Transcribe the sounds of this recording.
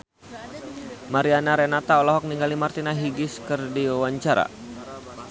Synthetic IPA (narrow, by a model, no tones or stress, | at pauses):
maɾianaɾɛnat̪aɔlaɦɔk̚niŋɡalimart̪inaɦiɡɪskɨrdiawaɲt͡ʃaɾa̰